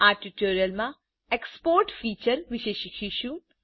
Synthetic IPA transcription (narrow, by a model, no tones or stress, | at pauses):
aːɾʈiʈoːɾiəlmã | ekspoːɾʈfiːt͡ʃəɾʋɪʃeːʃikʰiʃu